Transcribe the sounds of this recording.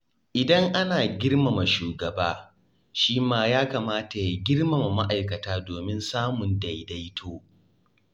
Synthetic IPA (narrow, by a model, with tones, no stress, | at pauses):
ʔɪ˨dɐ˦ŋʔa˦naː˨ɡʲɪ˦rma˨ma˨ʃuː˨ɡɐ˨baː˦ | ʃiː˦maː˦jaː˦kaː˨maː˦ta˨ja˦ɡʲɪ˦rmɐ˨ma˨ma˦ʔa˨jkɐ˨taː˦doː˨mɪ˦nsaː˦mʊ˨nda˨jda˦jtʰoː˦